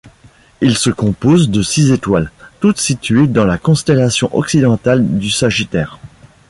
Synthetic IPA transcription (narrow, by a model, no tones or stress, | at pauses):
ilsəkɔ̃pozd̪əsizet̪walt̪ut̪sit̪ɥed̪ɑ̃lakɔ̃st̪ɛlasjɔ̃ʔɔksid̪ɑ̃t̪ald̪ysaʒit̪ɛːʁ